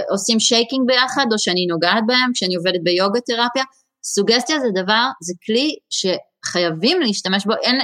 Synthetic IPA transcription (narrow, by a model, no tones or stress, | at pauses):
ʔo̞simʃejkiŋɡ̚be̞jaχad̪o̞ʃeanino̞ɡaːt̪̚baemkʃeanio̞vedet̪̚bejo̞ɡat̪e̞ʁapja | suɡest̪jazed̪avaʁzekliʃe̞ | χajavimleiʃtame̞ʃbo̞ʔen